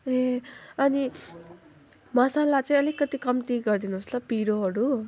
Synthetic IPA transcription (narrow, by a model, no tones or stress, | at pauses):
eʌni | mʌsalat͡sʌ̃ĩʌlikːʌt̪ikʌmt̪iɡʌrd̪inuɦuslʌpiɾoɦʌɾu